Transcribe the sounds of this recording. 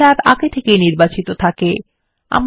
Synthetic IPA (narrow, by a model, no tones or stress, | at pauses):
aɾaɡet̪ʰekejniɾbat͡ɕit̪ot̪ʰake | a̰m